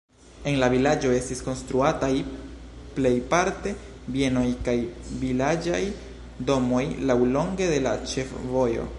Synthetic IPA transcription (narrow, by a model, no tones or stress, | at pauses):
e̞nlavilad͡ʒo̞e̞stisko̞nstɾuataj | ple̞jpaɾte̞ | bje̞no̞jkajvilad͡ʒaj | do̞mo̞jlawlo̞ŋɡe̞de̞la̰t͡ʃe̞fvo̞jo̞̰